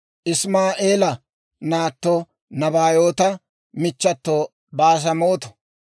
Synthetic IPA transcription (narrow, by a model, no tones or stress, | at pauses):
ʔɪsmaːʔeːlɐ | naːt̪ːo | nɐbaːjoːt̪ɐ | mɪt͡ʃːɐt̪ːoː | baːs̬ɐmoːt̪ɔ̥